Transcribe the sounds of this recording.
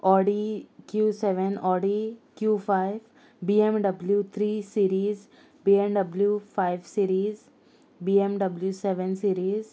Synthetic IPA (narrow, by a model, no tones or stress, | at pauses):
ɔːɖikjuːseʋənɔːɖikjuːfʰaɪʋ | biːemɖɐbljut̪ʰɾiːsiːɾiːz | biːẽmɖɐbljufʰaɪʋsiːɾiːz | biːemɖɐbljuseʋənsiːɾiːz